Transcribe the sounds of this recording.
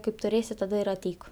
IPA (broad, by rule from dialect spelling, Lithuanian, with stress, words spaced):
kɐɪp tʊˈrʲeːsʲɪ tɐˈdɐ ɪr ɐˈtʲɛɪk